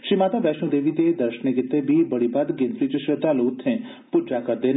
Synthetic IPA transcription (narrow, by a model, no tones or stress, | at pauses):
ʃɾimaːt̪abɛʃnũd̪eːʋit̪ed̪əɾʃəneɡɪt̪ːebʱibəɽibʱad̪ɡenfɾit͡ʃəʃət̪alot̪ʰːẽ | puɾd͡ʒakəɾd̪en